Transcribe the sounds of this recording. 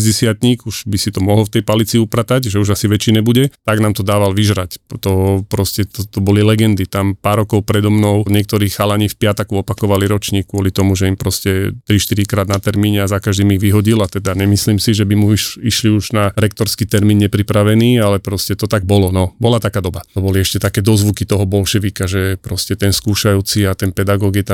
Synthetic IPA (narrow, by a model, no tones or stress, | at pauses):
zɟɛsɪat̪ɲiːkuʒ̥bisit̪ɔmɔɦl̩ft̪ɛjpalit͡siupɾat̪aɟʒɛuʒasiʋɛt͡ʃinɛbuɟɛt̪aɡnaːmt̪ɔd̪aːʋalʋiʒɾact̪ɔpɾɔscɛt̪ɔt̪ɔbɔlilɛɡɛnd̪it̪ampaːɾːɔkɔʊpɾɛd̪ɔmnɔʊɲɛk̚t̪ɔɾiːxxalaɲiːfpɪat̪akuɔpakɔʋaliɾɔt͡ʃɲiːkːʊɔlit̪ɔmuʒɛimpɾɔscɛt̪ɾiʃt̪iɾikɾaːd̪nat̪ɛɾmiːɲɛazakaʒd̪iːmiɣʋiɦɔɟilat̪ɛd̪aɲɛmisliːmsiʒɛbimuiʃiʃliuʒnaɾɛk̚t̪ɔɾskit̪ɛɾmiːnɲɛpɾipɾaʋɛniːalɛpɾɔscɛt̪ɔt̪aɡ̚bɔlɔnɔbɔlat̪akaːd̪ɔbat̪ɔbɔliɛʃcɛt̪akɛːd̪ɔzʋukit̪ɔɦɔbɔlʃɛʋikaʒɛpɾɔscɛt̪ɛnskuːʃajuːt͡siat̪ɛnpɛd̪aɡɔɡit̪a